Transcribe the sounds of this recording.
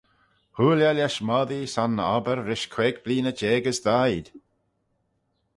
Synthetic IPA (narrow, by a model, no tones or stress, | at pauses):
huːljalʲaʃmɔðisanɔ̰bəɾːɪʃkʰweːɡbliːnəd͡ʒeːɡəsd̪ajd̪̥